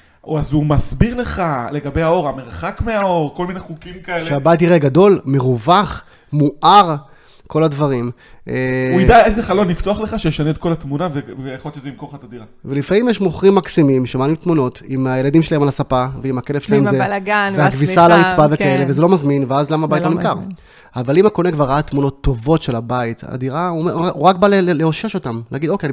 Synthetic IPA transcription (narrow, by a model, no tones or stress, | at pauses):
azumasbiʁle̞χaleɡabe̞jao̞ʁameʁaχakmeao̞ʁko̞lmineχukimkaelʃeabajit̬iʁeɡado̞lmeʁuvaχ | muʔaʁ | ko̞ladvaʁim | euidaezeχalo̞nːift̪oaχle̞χaʃejeʃaneːt̪̚ko̞lat̪munavevejaχolt͡ʃezeimkoχat̪adiʁavelifamimjeʃmoχʁimːaksimimʃemaːlimt̪muno̞timaje̞ladimʃelaemalasapaveimake̞lefʃelahmzelɡanveakvisalait͡sbavekae̞levezelo̞mazminveazlamabajtlonimkaʁ | avalimako̞nekvaʁaat̪muno̞t̪ʰːo̞vo̞tʃe̞labaita̰diʁameuʁakbaleleoʃeʃo̞tamlḛaɡid̪okeai